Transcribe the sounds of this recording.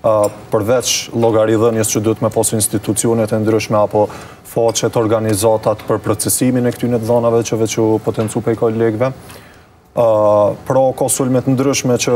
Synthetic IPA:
pəɾvɛt͡ʃlˠɔɡaɾiðənjəst͡ʃəd̪uət̪mɛpɔsuinst̪it̪ut͡siɔnɛt̪ɛnd̪ɾyʃmɛapɔ | fɔt͡ʃɛt̪ɔɾɡanizat̪at̪pəɾpɾɔt͡sɛsiminɛkt̪ynɛt̪ðɔnavɛt͡ʃəvɛt͡ʃupɔt̪ɛnt͡supɛjkɔlɛɡvɛ | pɾɔkɔsulmɛt̪ənd̪ɾyʃmɛt͡ʃə

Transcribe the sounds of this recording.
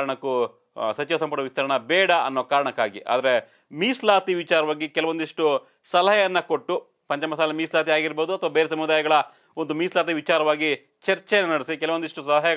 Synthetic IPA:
ɐɳɐkːu | sɐt͡ʃiʋɐsɐmpɐʈɐʋist̪ɐɾɐɳɐbɛːɽɐɐ̰nːoːkaːɾɐɳɐkːaːɡiʔa̰ːd̪ɐɾe | miːslaːt̪iʋit͡ʃaːɾɐʋaːɡikɛlɐʋond̪iʂʈu | sɐlɐɦɐjɐjɐnːɐkoʈːu | pɐɲt͡ʃɐmɐsaːlɐmiːslaːt̪iaːɡiɾboːd̪uɐt̪ʰɐʋabeːɾes̬ɐmud̪aːjɐɡɐɭɐ | ond̪umiːslaːt̪̬iʋit͡ʃaːɾɐʋaːɡi | t͡ʃɐɾt͡ʃɛjɐnːɐnɐɽisikɛlɐʋond̪iʂʈusɐlɐɦɐjɐ

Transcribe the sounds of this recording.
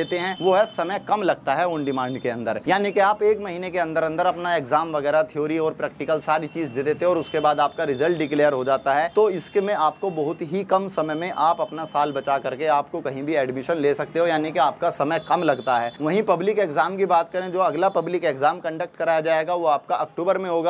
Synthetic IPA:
eːt̪eɦɛ̃ʋoɦɛsɐməjkɐmlɐɡ̚t̪aɦɛʊ̃ɳɖɪmãːɳɖkeɐ̃nd̪əɾjaːnikeaːpeːkmɐɦiːnekeɐ̃nd̪əɾɐ̃nd̪əɾɐpnaeːkzaːmʋɐɣɛːɾat̪ʰɪjoːɾiɔːɾpɾɛːk̚ʈɪkəlsaːɾit͡ʃiːzd̪eːd̪eːt̪eɦɛ̃ɔːɾʊskebaːd̪aːp̚kaɾɪzəlʈɖɪkleːjəɾɦod͡ʒaːt̪aɦɛt̪oɪskemẽaːpkobɐɦʊt̪ɦikɐmsɐməjmẽʔaːpɐpnasaːlbɐt͡ʃakɐɾkeaːpkokɐɦĩbʱiɛːɖmɪʃənleːsɐk̚t̪eɦojaːnikeaːpkasɐməjkɐmlɐɡt̪aɦɛːʋɐɦĩpɐblɪkeːkzaːmkibaːt̪kɐɾẽd͡ʒoːɐɡlapɐblɪkeːkzaːmkɐ̃ɳɖək̚ʈkɐɾaːjad͡ʒaːeɡaʋoaːp̚kaʔɐkʈuːbəɾmẽɦoːɡaː

